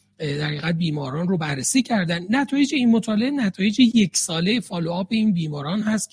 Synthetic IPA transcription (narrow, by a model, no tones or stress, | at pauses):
d̪æɾiːɣæd̪̚biːmɒːɾɒːnrobærːesiːcʰæɾd̪ænd̪næt̪ʰɒːjed͡ʒeinmot̪ʰɒːleenæt̪ʰɒːje̞d͡ʒeje̞cʰsɒːlejefɒːloɒːbe̞iːnbiːmɒːɾɒːnɦæst̪